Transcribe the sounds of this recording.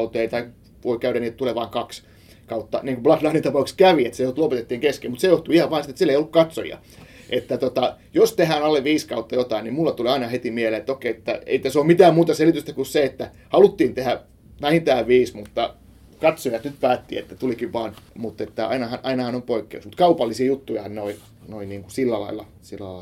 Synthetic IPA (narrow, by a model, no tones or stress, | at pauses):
ut̪eit̪ɑi | ʋoikæyɾæniːet̪t̪uleʋɑːŋkɑks | kɑut̪ːɑ̰niːŋkub̥lɑklɑːnint̪ɑpɑukskæʋiet̪sejot̪ulopet̪et̪ːiːŋkeskemut̪sejoht̪uihɑʋʋɑːnsit̪ːet̪silːeiolːukkɑt̪so̰jɑ̰ | ʔet̪ːæt̪ot̪ɑjost̪ehæːnɑlːeʋʋiːskɑut̪ːɑjot̪ɑinimulːɑt̪uliɑinɑhet̪imieleːet̪ːokeiet̪ːæ̰ḛit̪æsomit̪æːmmuːt̪ɑselit̪yst̪ækusseet̪ːæ | hɑlut̪ːiːnt̪ehæ | ʋæhint̪æːʋʋiːsmut̪ːɑ | kɑt̪sojɑt̪nyt̪pæːt̪ːḭːḛt̪ːæt̪ulikiʋʋɑːnmut̪ːet̪ːæɑ̰inɑhɑnʔɑinɑhɑnompoikːḛuksmut̪kɑupɑlːisiɑjut̪ːujhɑnnoi | noiniːŋkusilːælɑ̰ilːˑɑ̰ | silːæ̰